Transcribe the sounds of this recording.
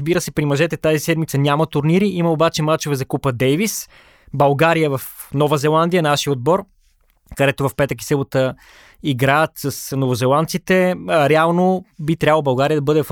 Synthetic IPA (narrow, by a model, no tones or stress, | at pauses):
zbiɾəsɛpɾimɐʒɛt̪ɛt̪azisɛd̪mit̪sənʲamɐt̪ʊɾniɾiʔiməobat͡ʃɛmat͡ʃovɛzɐkupvəd̪ɛjvis | bɐlˠɡaɾijəvɐfnɔvəzɛlˠand̪ijənaʃiəod̪̚bɔɾ | kɐd̪ɛt̪ovɐfpɛt̪ək̬i̥sɛbot̪ə | iɡɾaət̪səsnovozɛlˠant̪sit̪ɛɾɛalˠnobit̪ɾʲablˠobɐlˠɡaɾijəd̪ɐbɤd̪ɛ